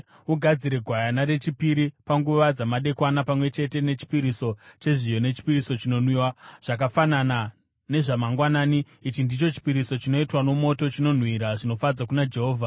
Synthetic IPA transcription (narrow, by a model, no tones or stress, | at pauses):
uɡʱad͡ziɾe̞ɡʱwajanaɾe̞t͡ʃipiɾipaŋɡuʋad͡zamaɗe̞kwanapamwe̞t͡ʃe̞te̞ne̞t͡ʃi̥piɾiso̞t͡ʃe̞ʐijo̞ne̞t͡ʃi̥piriso̞t͡ʃino̞nwiwaʐ̥ak̬afanana | ne̞ʐamaŋɡwanaːni | it͡ʃindit͡ʃo̞t͡ʃi̥piɾiso̞t͡ʃino̞itwano̞mo̞to̞t͡ʃino̞n̤wiɾaʐino̞fad͡zakunad͡ʒe̞ɦo̞ːvʱa